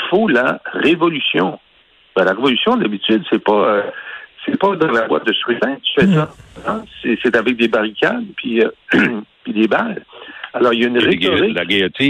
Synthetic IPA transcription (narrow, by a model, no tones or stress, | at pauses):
folaʁevɔlysjɔ̃ | b̥ɛ̃laʁevɔlysjɔ̃d̪abit̪yd̪sɛpaøsɛpʌd̪ɑ̃lavwa̰d̪əsχyt̪ɛ̃t̪y̥fɛsazɑ̃sɛset̪avɛk̚d̪ebaʁikʲad̪pʰɥiø | pid̪ebalalɔʁjaynʁetɔʁilaɡaɔt̪i